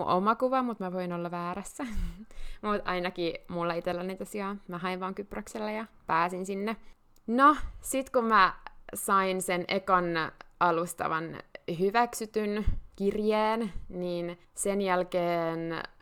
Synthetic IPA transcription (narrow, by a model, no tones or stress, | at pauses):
ṵʔo̰mɑkuʋɑmut̪mæʋoinolːɑʋæːɾæsːæ | mut̪ɑ̰inɑkimulːɑit̪elːæniːt̪ɑsiɑːmæhɑiʋʋɑːŋkyprøkselːæjɑpæːsinsinːe | nosit̪kummæsɑinsenʔekɑnɑlust̪ɑ̰ʋɑ̰nhyʋæksyt̪ynkirjeːnniːn | senjælkeːn